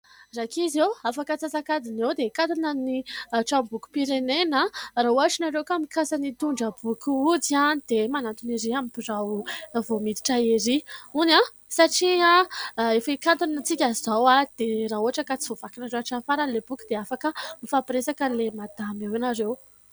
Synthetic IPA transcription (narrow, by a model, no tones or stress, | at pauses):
rakizewafakət͡sasakad̪inewd̪ekat̪unaniʈ͡ʂambuku̥piɾenenarauaʈ͡ʂinaɾewkamikasanit̪uɳɖ͡ʐəbukuud͡zanid̪̥emanant̪uniɾiamipiɾawvomit̪i̥ʈ͡ʂaiɾiuna | saʈ͡ʂiaefakant̪unat͡sikʲaizawad̪̥eɾaɦuɦaʈ͡ʂəkat͡si̥vovakinaɾewaʈ͡ʂanfaɾəlebukud̪eafakəmifapiɾesakəlemad̪̥amewanaɾew